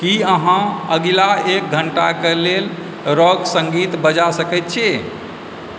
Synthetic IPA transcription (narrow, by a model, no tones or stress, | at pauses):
kiəɦãəɡlaek̚ɡʱəɳʈakelel | ɾɔɡsə̃ŋɡit̪bəd͡ʒasəkɛt̪̚t͡ʃʰe